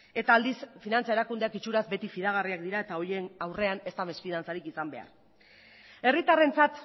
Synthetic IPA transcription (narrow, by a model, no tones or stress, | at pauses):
e̞t̪aːld̪isfinant͡sae̞ɾakund̪eakit͡ʃuɾazbe̞t̪ifiðaɣ̞ariak̚d̪iɾae̞t̪ao̞jenawre̞ane̞st̪ame̞sfiðant͡saɾikisambe̞a̰ɾ | e̞rit̪are̞nt͡sat̪